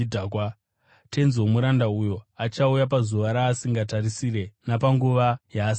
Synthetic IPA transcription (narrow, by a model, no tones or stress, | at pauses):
dʱaːkwa | te̞nzwomuɾandaujo̞at͡ʃaujap̬azuʋaɾaːsiŋɡatarisire̞napaŋɡuʋajaːs